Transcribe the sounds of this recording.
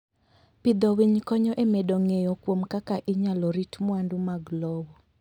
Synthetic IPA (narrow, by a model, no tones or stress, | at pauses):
pid̪ɔwiɲkɔɲɔʔemeɗɔŋejɔkwomkakaʔɪɲalɔɾitmʊandumaɡlɔbɔ